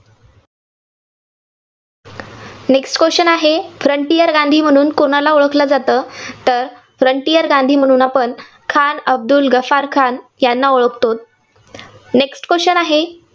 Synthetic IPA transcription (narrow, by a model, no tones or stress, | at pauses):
neksʈkʋeɕənaɦefɾəɳʈijəɾɡãnd̪ʱiːm̤əɽ̃uːnkoɽ̃alaoɭəkʰlad͡zat̪əːt̪əɾ | fɾəɳʈijəɾɡãnd̪ʱiːm̤əɽ̃uːnapəɳ | kʰanəb̚d̪ulɡəfaɾkʰanjanːaoɭəkʰt̪ot̪̚ | neksʈkeɕənaɦe